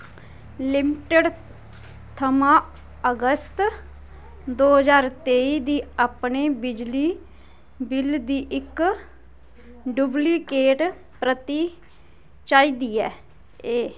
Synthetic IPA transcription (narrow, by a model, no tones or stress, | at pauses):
lɪmɪʈəɖ | t̪ʰəmãː | əɡəst̪ | d̪oːɦəzaːɾt̪eːiːd̪iːaːpɳeːbɪd͡ʒliː | bɪld̪iːʔɪk | ɖʊbliːkeːʈ | pɾət̪iː | t͡ʃaːiːd̪iːɛː | eː